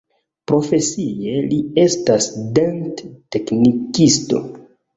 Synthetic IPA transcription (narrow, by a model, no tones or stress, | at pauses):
pɾo̞fe̞sijelie̞stasdentte̞knikisto̞̰